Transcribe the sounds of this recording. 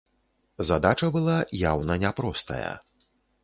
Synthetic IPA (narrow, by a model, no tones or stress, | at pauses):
zad̪at͡ʂɐbɨlˠajawnɐnʲapɾɔst̪ɐ̰jɐ̰